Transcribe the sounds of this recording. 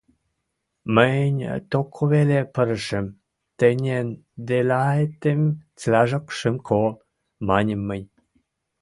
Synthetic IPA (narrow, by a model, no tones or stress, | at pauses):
mənʲt̪okʰoβelepəɾəʃə̆m | t̪ənʲen | d̪elɑet̪emt͡slæʒokʃəmkʰo | mɑnʲəmːəjʲ